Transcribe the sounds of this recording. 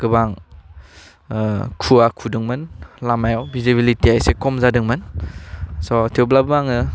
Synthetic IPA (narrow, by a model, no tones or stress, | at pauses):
ɡ̥ɯbaŋ | kʰuakʰudɯŋmɯnlamajawbʱizibilitiajsekɔmzadɯŋmɯn | sɔtʰiwblabɯbaŋɯ